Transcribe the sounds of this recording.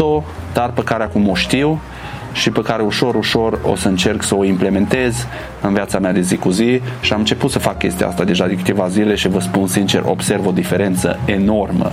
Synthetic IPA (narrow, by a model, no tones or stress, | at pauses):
o | d̪̥arpəkaɾeakumo̞ʃt̪iw | ʃipekaɾe̞uʃo̞ɾuʃo̞ro̞̰səɨnt͡ʃe̞rksəo̞imple̞me̞nt̪e̞z | ɨnviat̪samead̪e̞zikuziʃiamɨnt͡ʃe̞put̪səfakːʲe̞st̪ḭjaa̰st̪ad̪e̞ʒad̪enkɨ̥t̪e̞vazile̞ʃivəspunsint͡ʃe̞̰rʔo̞̰bse̞rvo̞d̪ife̞ɾe̞nt̪sə̰eno̞rmə̰